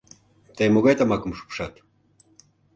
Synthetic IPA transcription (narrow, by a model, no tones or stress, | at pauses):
t̪ɑjmoɣɑjt̪ɑmɑkə̆mʃu̥pʃɑt̪